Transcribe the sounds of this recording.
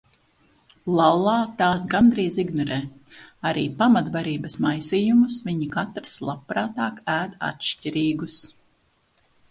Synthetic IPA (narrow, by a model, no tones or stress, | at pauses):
lˠalˠɑːt̪aːs̬ɡand̪ɾiːziɡnɔɾɛː | aɾḭːpamat̪vaɾiːbɐsmajsiːjumusviɲikat̪ɾslˠapːɾaːt̪aːkæːd̪a̰t̪ʃcʲiɾiːɡus